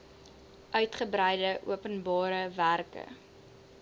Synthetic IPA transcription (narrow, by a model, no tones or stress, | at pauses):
ʔœɥtχəbɾɛjdəʔṵəpənbɑːɾəværkə̰